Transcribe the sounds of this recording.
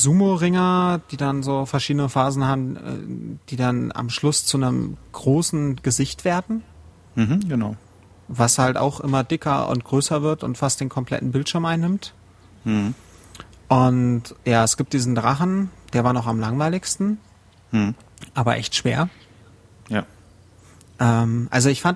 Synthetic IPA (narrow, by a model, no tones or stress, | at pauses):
zuːmoʁɪŋɐd̥iːdanzoːfɛɐʃiːdənəfaːzn̩haːbm̩ɛ̰d̥iːdana̰mʃlʊst͡sunəmɡ̥ʁoːsn̩ɡ̥əzɪçtv̥eːɐdn̩ | ɦ̩ɡ̥ənaʊ | vashalta̰ʊxʔɪmɐdɪkʰɐʊ̰nt̚ɡ̥ʁøːsɐvɪɐtʊ̰ntfastd̥eːnkʰɔmpʰl̥ɛ̰tn̩bɪltʃɪɐmʔaɪnːɪmt | ʔʊntjaːɛsɡ̥iːp̚td̥iːzn̩dʁaχn̩d̥eːɐvaːɐnɔχamlaŋvaɪlɪçstn̩ | ʔaːbɐʔɛ̰çtʃv̥eːɐ | ja | ʔɛːmʔa̰lzoɪçfant